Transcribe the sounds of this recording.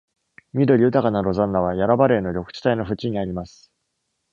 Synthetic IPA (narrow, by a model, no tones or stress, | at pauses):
mʲid̪o̞ɾʲiɯt̪akanaɾo̞zãnːaβ̞ajaɾabaɾe̞ːno̞ɾʲo̞kɯ̥t͡ɕi̥t̪aino̞ɸɯ̟t͡ɕiɲ̟iaɾʲimasɨ̥